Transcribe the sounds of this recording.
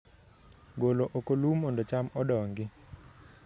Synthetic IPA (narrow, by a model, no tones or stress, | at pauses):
ɡoloʔokolumːɔndot͡ʃamɔdɔŋɡɪ